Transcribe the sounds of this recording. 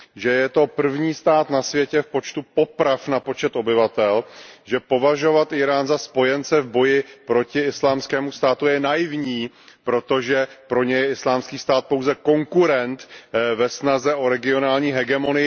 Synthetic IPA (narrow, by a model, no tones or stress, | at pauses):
ʒɛjɛt̪o̞pr̩vɲiːst̪aːt̪nasvjɛcɛfpo̞t͡ʃt̪upo̞pɾafnapo̞t͡ʃɛt̪o̞bɪvat̪ɛlʒɛpo̞vaʒo̞vat̪ʔɪɾaːnzaspo̞jɛnt͡sɛvbo̞jɪpɾo̞cɪɪslaːmskɛːmust̪aːt̪ujɛnajɪvɲiː | pɾo̞t̪o̞ʒɛpɾo̞ɲɛjɛɪslaːmskiːst̪aːt̪̚powzɛko̞ŋkuɾɛnt̪vɛsnazɛʔo̞ɾɛɡɪo̞naːlɲiːɦɛɡɛmo̞nɪ